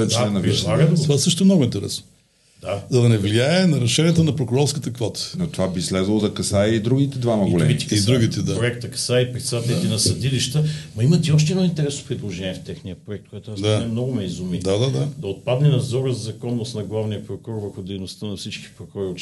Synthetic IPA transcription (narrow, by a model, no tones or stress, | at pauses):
ɛt͡ʃd̪ɛnɐpɾilˠaɡɐt̪ovaɛsɤʃt̪ʊɛmnoɡʊint̪ɛɾɛ̰sno | d̪azɐd̪ɐnɛvliaɛnɐɾɛʃɛniɛt̪ənɐpɾokʊɾɔɾskət̪əkvɔt̪ə̥not̪ovabislɛzvɐlˠozɐkɐsaiid̪ɾuɡit̪ɛd̪vamɐɡɡolɛiid̪ɾuɡ̟it̪ɛd̪apɾoɛkt̪ɐkɐ̥saipɾit̪sat̪ɛlit̪ɛnɐsɐd̪iliʃt̪əmɐimɐt̪iɔʃ̬t̪ɛd̪ɔint̪ɛɾɛsno̥pɾid̪lˠoʒɛniɛft̪ɛxniɐpɾoɛk̚t̪̚koɛt̪ʊasd̪aɛmnɔɡʊmɛizumid̪ad̪ad̪ad̪ɐot̪̚pad̪nɛnɐzɔɾəzɐzɐkɔnːosnɐɡlˠavnijəpɾokoɔɾvəɾxʊd̪ɛjnost̪ənɐfsit͡ʃki̥pɾokɔɾiot͡ʃ